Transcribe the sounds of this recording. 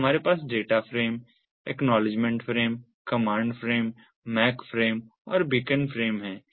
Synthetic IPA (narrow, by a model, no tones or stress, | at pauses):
ɐmaːɾepaːs̬ɖeːʈafɾeːm | ʈɛːknɔːlɪd͡ʒmɛ̃ɳʈfɾeːm | kɐmãːɳɖfɾeːmː | ɛːkfɾeːm | ɔːɾbiːkənfɾeːmɦɛ̃ː